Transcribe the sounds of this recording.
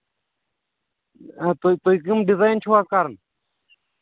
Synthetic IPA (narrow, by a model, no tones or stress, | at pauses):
t̪t̪ojk̬imɖizajnt͡ʃʰuwat̪̚kaɾn